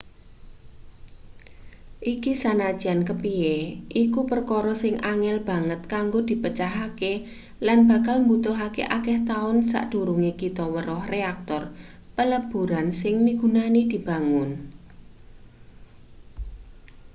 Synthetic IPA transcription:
ʔikisanḁʒ̥ankəpieʔikupərkɔɾɔsɪŋʔaŋɛlb̥ä̤ŋət̪̚kaŋɡod̪̥i̤pət͡ʃaɦake | lanb̥a̤kalmbut̪ʊɦakḛʔakɛht̪aʊnsa̰ʔd̪̥uɾuŋekit̪ɔwəɾɔhreak̚t̪ɔr | pələb̥ṳɾansɪŋmiɡ̥ṳnanid̪̥i̤b̥a̤ŋʊn

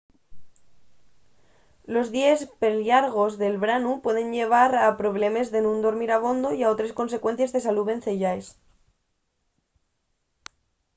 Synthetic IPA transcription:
lo̞zðjespeljaɾɣo̞zðe̞lβɾanupwe̞ðe̞nʎe̞β̞aɾapɾo̞β̞le̞me̞zðe̞nũnd̪o̞ɾmiɾaβ̞o̞nd̪o̞iao̞t̪ɾesko̞ns̬e̞kwe̞n̟θjezðe̞saluβe̞nθeʝaes

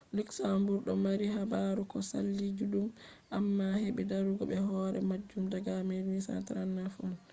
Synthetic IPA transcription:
luksambuɾɗɔmaɾiɦabaɾukɔsa̰lːid͡ʒuɗum | ʔamːaheɓɛdaɾuɡɔɓɛɦɔɾɛmad͡ʒːumdaɡamelwisa̰tɾanːafɔl

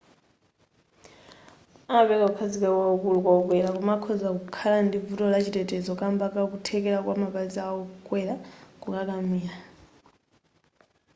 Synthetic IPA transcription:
apɛkaukʰazikawaɔkulukwaukwɛlak̬umakʰɔzakukʰalandivutɔlat͡ʃitʼɛtʼɛzɔkambakakutʰɛkɛlakwamapalizaɔkʼwɛlakukʼakʼamiːla

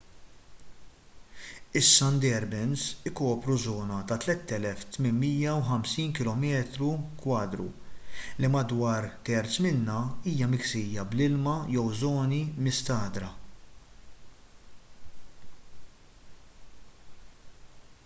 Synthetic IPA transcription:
ɪsːɐnd̪ɛɾbɪnsɪkɔːpɾuzɔːnɐt̪ɐt̪lɛt̪ːɛlɛft̪mɪnmːiːjɐwħɐmsiːnkɪlɔmɛːt̪ɾukwɐːd̪ɾṵlimɐd̪wɐːɾt̪ɛɾt͡smɪnːɐiːjɐmɪksɪːjɐblɪlmɐjɛwzɔːnimɪst̪ɐːd̪ɾɐ

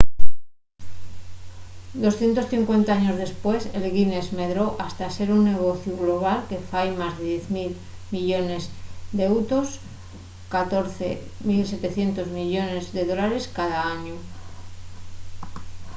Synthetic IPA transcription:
d̪o̞sθje̞nt̪o̞sθiŋkwe̞nt̪aaɲo̞zðe̞spwe̞selɣine̞zme̞ðɾo̞ʔast̪ase̞ɾunːe̞ɣ̞o̞θjuɣlo̞β̞alke̞fajmazðe̞ðjeθmil | miʎo̞ne̞zd̪ewt̪os | kat̪o̞ɾθḛ | milse̞t̪e̞θje̞nt̪o̞zmiʎo̞ne̞zðe̞ðo̞laɾe̞skaðaaɲu

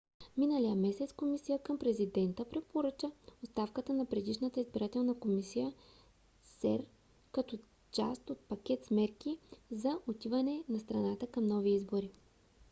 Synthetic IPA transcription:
minəlijəmɛsɛt̪skomisijəkəmpɾɛzid̪ɛnt̪əpɾɛt̪̚poɾət͡ʃəost̪afkət̪ənɐpɾɛd̪iʃnət̪əizbiɾat̪ɛlˠnəkomisijə | sɛ̰ɾ | kɐt̪ɔ | t͡ʃa̰st̪ot̪̚pɐk̟ʲɛt̪smɛɾk̟izɐʔot̪ivɐnɛnɐst̪ɾɐnat̪əkɐmnɔviizboɾi

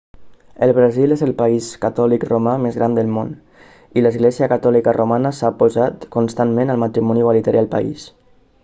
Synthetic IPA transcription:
əlˠβɾazilezəlˠpaiskat̪ɔlikromamezɣɾand̪əlˠmon | iləzɣlɛziəkat̪ɔlikərʔomanəsapozat̪kunst̪anmẽnəlˠmat̪ɾimɔniɣwalit̪əɾjalˠpa̰ḭs

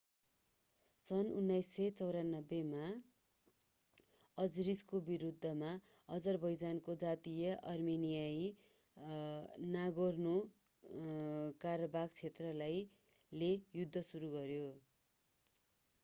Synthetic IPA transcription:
sʌnunːajsːʌjt͡sʌwɾanːʌbːema | ʌd͡zriskobiɾud̪ʱːʌma | ʌd͡zʌrbʱʌjd͡zankod͡zat̪ijʌʔʌrmenijaji | naɡorno | karʌbaɡ̚t͡sʰet̪rʌlaj | lejud̪ʱːʌsuɾuɡʌɾjo

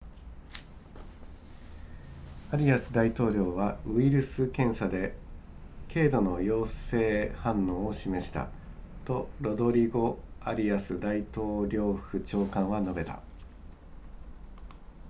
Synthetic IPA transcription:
aɾʲiasɨd̪ait̪o̞ːɾʲo̞ːβ̞aɯ̟iɾɯ̟sɨkẽ̞ɰ̃sad̪e̞ | kʰe̞ːd̪o̞no̞jo̞ːse̞ːhãnːõ̞ːoɕime̞ɕi̥t̪a̰ | t̪o̞ɾo̞d̪o̞ɾʲiɡo̞aɾʲiasɨd̪ait̪o̞ːɾʲo̞ːɯ̥kɯ̟t͡ɕo̞ːkãɰ̃βano̞be̞t̪a̰

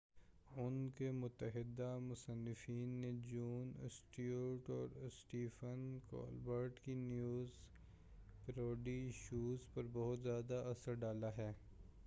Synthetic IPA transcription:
ʊnkemʊt̪ːəɦɪd̪amʊsənːɪfiːnːed͡ʒuːnsʈioːʈɔːɾsʈiːfənkɔ̰ːlbəɾʈkinjuːz | pɾoːɖiʃuːzpɐɾbɔɦʊt̪zjaːd̪aɐsəɾɖaːlaɦɛː

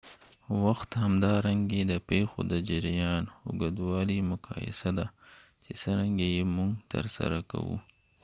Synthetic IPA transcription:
waxt̪hamd̪ɑɾaŋɡed̪əpexo̰d̪əd͡ʒaɾjɑnhʊ̰ɡad̪wɑlimʊkɑ̰jɪ̰sad̪a | t͡ʃesəɾaŋɡejemʊŋɡt̪ə̰ɾsa̰ɾaka̰wṵ

